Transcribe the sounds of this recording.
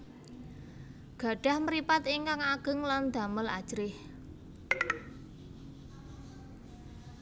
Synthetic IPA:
ɡ̥ä̤ɖ̥a̤hməɾipat̪iŋkaŋaɡ̥ə̤ŋland̪̥ä̤məla̰d̥ʒ̥ɾɪh

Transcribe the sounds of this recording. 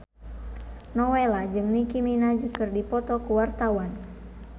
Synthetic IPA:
nɔwelad͡ʒɨŋnikiminad͡ʒəkɨrdipɔt̪ɔkuwart̪awan

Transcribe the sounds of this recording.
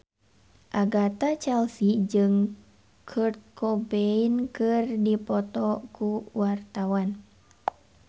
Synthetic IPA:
ʔaɡat̪at͡ʃɛlsid͡ʒɨŋ | kʰərt̪̚kʰɔbeinkɨrdipɔt̪ɔkuwart̪awan

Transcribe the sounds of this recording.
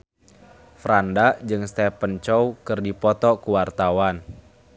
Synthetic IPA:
fɾandaʔd͡ʒɨŋst̪ɛpənt͡ʃɔukɨrdipɔt̪ɔkuwart̪awan

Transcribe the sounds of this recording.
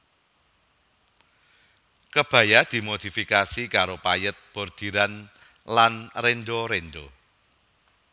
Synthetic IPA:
kəb̥ä̤jad̪̥i̤mod̪̥i̤fikasikaɾopajət̪̚b̥o̤rd̪̥i̤ɾan | lanrenɖoɾenɖo

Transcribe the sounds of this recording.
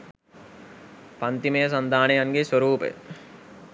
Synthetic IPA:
pant̪imejəs̬ɐnd̪ʱaːnejaŋɡesʋɐɾuːpə̰jə̰

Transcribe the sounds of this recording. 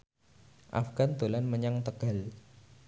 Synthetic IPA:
ʔa̰fɡ̥and̪olanməɲaŋt̪əɡ̥a̤l

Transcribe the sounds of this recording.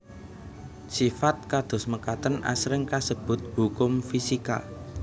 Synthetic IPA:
sifat̪̚kad̪̥ʊ̤sməkat̪ənʔa̰sɾɪŋkasəb̥ʊ̤t̪̚hukʊmfisika̰

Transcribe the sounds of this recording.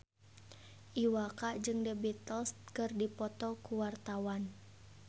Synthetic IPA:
ʔiwakaʔd͡ʒɨŋdəbɛt̪əlst̪̚kɨrdipɔt̪ɔkuwart̪awan

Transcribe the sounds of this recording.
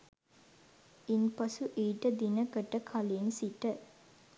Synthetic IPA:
inpɐsuʔeːʈəd̪inəkəʈəkʰalensiʈə

